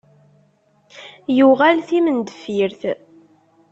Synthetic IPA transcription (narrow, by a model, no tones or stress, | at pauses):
juʁælθimənd̪əfiɾθ